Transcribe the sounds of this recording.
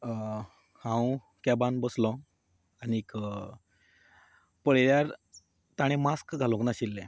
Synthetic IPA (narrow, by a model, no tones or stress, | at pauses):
hãw | kabanbəslɔ̃ | aniːk | pəɭljaɾ | t̪aɽ̃emaskɡʱalõknaɕilːẽ